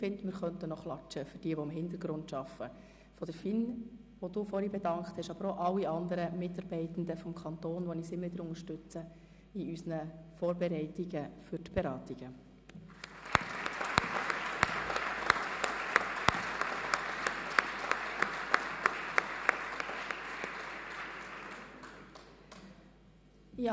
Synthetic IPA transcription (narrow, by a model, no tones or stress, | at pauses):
fɪndmɪɾχœntənɔχlɑt͡ʃəfʏd̥iːəʋɔɪmɦɪnt̪əɾɡɾʊntʃɑfə | fɔd̪̥əɾfɪn | ʋod̥uːfɔɾibɛdɑŋkχt̪hɛʃɑbəɾoʔɑlːiɑnd̪əɾəmɪtɑɾb̥ɛɪtn̩d̪əfɔmkʰɑnt̪oːnʋɔnɪsɪmːəʋɪd̪əɾʊŋəɾʃtʏt͡sə | iysnəfɔːɾbɛɾɛɪtiɡ̥əfʏɾtb̥ɛɾɑːt̪iɡ̥ə | ɪ